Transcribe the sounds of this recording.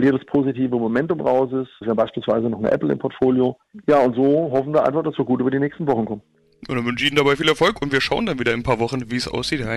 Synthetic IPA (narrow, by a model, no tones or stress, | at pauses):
liːdəspʰoːzitiːvəmomɛntʊmʁaʊs̬ɪssvɛːʁəbaɪʃpiːlsv̥aɪzənɔχnə̰ʔɛ̰pl̩ɪ̰mpʰɔɐtfoːljo | jaːʊntz̥oːɦɔfn̩viːɐa̰ɪnfaχd̥asv̥iːɐɡuːtyːbɐdiːnɛːçstn̩vɔχn̩kʰɔmən | j̰ndanvʏnʃəiːndabaɪfiːlɛɐfɔlkʊntv̥iːɐʃaʊəndanviːdɐɪnpʰaːɐvɔχn̩viːsʔa̰ʊsz̥iːta